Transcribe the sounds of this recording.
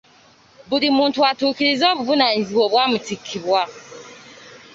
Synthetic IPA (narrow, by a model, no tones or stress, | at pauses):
buɾimũntuatukiɾizɔbubunãn̩ziwɔbamũtʰikʰːibua